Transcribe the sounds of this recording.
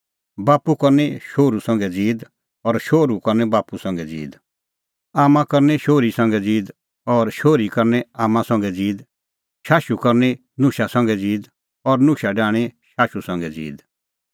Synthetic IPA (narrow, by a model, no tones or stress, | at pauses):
baːpukɐɾnɛʃoːɾusɐ̃ŋɡɛd͡ziːd̪ | ɔɾʃoːɾukɔɾnɛbaːpusɐ̃ŋɡɛd͡zḭːd̪ | aːmãkɐɾnɛʃoːɾisɐ̃ŋɡɛd͡ziːd̪ | ɔɾʃoːɾikɐɾnɛaːmãsɐ̃ŋɡɛd͡ziːd̪ | ʃaːʃukɐɾnɛ | nʊkʃasɐ̃ŋ̆ɡɛd͡ziːd̪ | ɔɾnʊkʃaɖãːɽ̃eʃaːʃusɐ̃ŋɡɛd͡zḭːd̪